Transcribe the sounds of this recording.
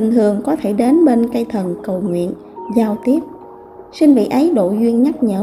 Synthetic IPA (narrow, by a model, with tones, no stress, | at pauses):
i˨˩ŋ̟t̪ʰɨ˨˩əŋkɔ˨˦t̪ʰe˧˩ɗe˨˦nɓe˧nkə˧jt̪ʰə˨˩nkə˨˩wŋwḭ˧˨ən | zaː˧wt̪i˦˥əp̚ | sï˧ŋ̟vḭ˧˨ʔə˨˦jɗo̰˧˨zwi˧ənɲa˦˥k̚ɲəː˧˥